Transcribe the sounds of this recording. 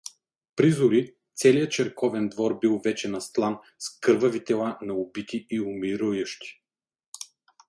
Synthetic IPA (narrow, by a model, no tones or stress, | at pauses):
pɾizʊɾi | t̪sɛlijət͡ʃɛɾkɔvɛnd̪vɔɾbilˠvɛt͡ʃɛnɐst̪lˠan | skɤɾvɐvit̪ɛlˠanɐʊbit̪iiʊmiɾujəʃt̪i̥